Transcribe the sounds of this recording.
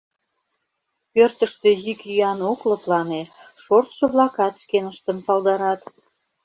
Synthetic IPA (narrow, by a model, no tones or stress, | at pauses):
pørt̪əʃt̪øjykyɑnoklɤ̆plɑne | ʃort̪ʃɤ̆βlɑkɑt̪ʃkenəʃt̪əmpɑld̪ɑɾɑt̪